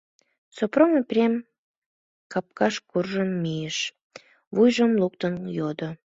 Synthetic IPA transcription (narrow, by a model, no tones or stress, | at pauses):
sopromeprʲem | kɑp̚kɑʃkurʒəmːijəʃ | βujʒəmluk̚t̪ənjod̪o